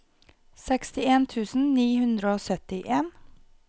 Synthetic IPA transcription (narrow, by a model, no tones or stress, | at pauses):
sɛkst̪ɪeːnt̪ʰʉːsn̩niːhʉnd̪ɾəoːsœt̪ɪʔeːn